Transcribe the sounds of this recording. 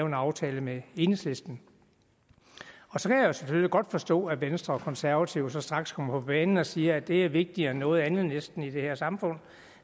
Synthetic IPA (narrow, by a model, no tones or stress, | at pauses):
ʊenɑ̈ʊt͡sʰɛːləmee̝nsle̝sd̥n̩ | ɒ̽sɒ̽kʰæjaosemføliɡ̥ɒ̽d̥fɒ̽sd̥ɔ̰̽ːæʋensd̥ʁɐɒkʰɒ̽nsæɐʋæt͡sʰiʊ̰sɒ̽sd̥ʁɑ̈ɡ̥skʰɒ̽m̰ɐpʰɒ̽b̥ɛːnn̩ɒ̽siːɐæd̥e̝æɐʋe̝ɡ̥̚d̥ienːɔ̽ːð̞̩ˠænð̩ˠnesd̥n̩id̥e̝heɐsɑ̈mfɔ̽n̰